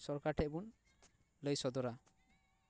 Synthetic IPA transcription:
sɔɾkaɾʈʰɛʔbun | ləjsɔd̪ɔɾa

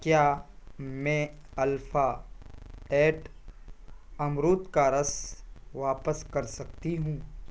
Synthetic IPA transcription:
kjaːmɛ̃ | ɐlfaː | ɛːʈ | ɐmɾoːt̪kaɾɐsʋaːpəskɐɾsɐk̚t̪iɦũː

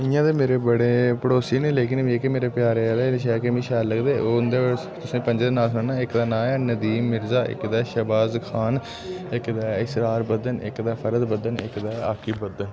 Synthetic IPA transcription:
ɪjãːd̪eːmeːɾeːbəɽeːpəɽoːsiːnẽːleːk̬ɪnmĩːkɪmeːɾeːpjaːɾeːaleːɪʃ̬ɛːkemĩːʃɛːləɡd̪eːoːnd̪e | t̪ʊsĩːpə̃ɲd͡ʒeːd̪eːnaːsʊnaːnaːɪkd̪aːnãːɛːnəd̪iːmːɪɾzaːʔɪ̰kd̪ɛːʃəbaːzkʰaːn | ɪkd̪aːɪsɾaːɾbəd̪ənɪ̰kd̪ɛːpʰəɾəd̪bəd̪ənɪkd̪aːaːkʰiːbəd̪ən

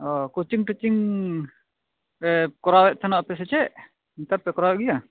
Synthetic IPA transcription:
ɔkut͡ʃiŋʈit͡ʃiŋ | kɔɾawɛʔ̚t̪ʰanɔʔpɛs̬ɛt͡ʃɛʔ | int̪aɾpɛkɔɾawɛʔɡija

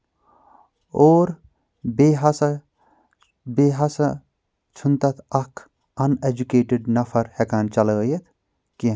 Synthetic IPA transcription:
oːɾ | beɦɐsa | beːɦɐsa | t͡ʃʰunt̪ɐt̪ʰɐkʰ | ɐned͡ʒukeːʈɪɖnɐfʰɐɾhekaːnt͡ʃɐljet̪ʰ | ki

